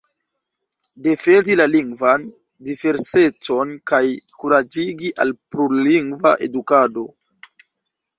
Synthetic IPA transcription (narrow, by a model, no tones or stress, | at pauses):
de̞fe̞ndilaliŋɡvan | dive̞ɾse̞t͡so̞nkajkuɾad͡ʒiɡiʔa̰lpɾuliŋɡva̰ʔe̞̰dukado̞